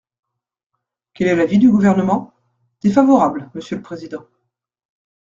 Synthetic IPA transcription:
kʲɛlɛlavid̪yɡuvɛʁnəmɑ̃ | d̪̥efavɔʁablməsjøləpχezid̪ɑ̃

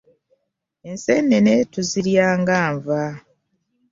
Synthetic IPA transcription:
e̞nseneneːtuziɾjaːŋɡaːɱva

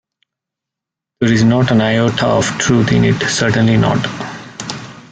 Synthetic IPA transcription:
d̪̥eːɾɪznɔːʈə̃naɪoːʈʰa̰ɔʋʈɾuːt̪ʰɪ̰̃nɪ̰ʈsəɾʈə̃nlinɔ̰ːʈ

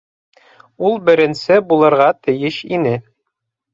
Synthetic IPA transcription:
ulˠbɘ̆ɾɘ̆nsɘbulˠɤ̆ɾʁɑt̪ɘ̆jɘʃḭnɘ

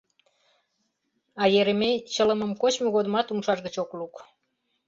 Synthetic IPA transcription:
ɑjeɾemet͡ɕələmə̆mkot͡ɕmoɣod̪mɑt̪umʃɑʃɣət͡ɕokluk

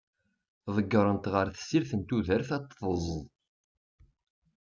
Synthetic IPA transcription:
ðˤəɡːəɾˤənt̪ʁəɾθə̥sːiɾθənt̪uðəɾθɑt̪ˤːəzˤ

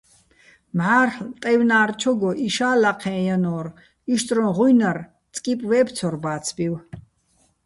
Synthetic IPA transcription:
mʕaːrħlt̪ʼɛwnaːrt͡ʃʰɔɡɔʔiʃaːlaqʰɛ̃ːjanɔːr | iʃt̪ʼrɔʁujnar | t͡sʼkʼipʼwɛːpʰt͡sʰɔrbaːt͡sʰbiw

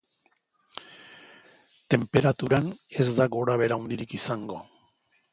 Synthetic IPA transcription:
t̪e̞mpe̞ɾat̪uɾane̞zd̪aɣo̞ɾaβe̞ɾawnd̪iɾikisaŋɡo̞

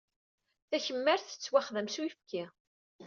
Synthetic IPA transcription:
θæçəmːəɾθə̥t͡sːwaχðæmsuwifki

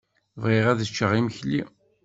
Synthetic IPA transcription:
vʁiʁæðət͡ʃːəʁiməçli

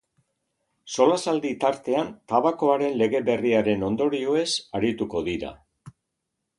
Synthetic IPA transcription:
so̞lasald̪it̪aɾt̪e̞ant̪aβako̞aɾe̞nle̞ɣe̞βe̞riaɾe̞no̞nd̪o̞ɾioe̞saɾit̪uko̞ðiɾa̰

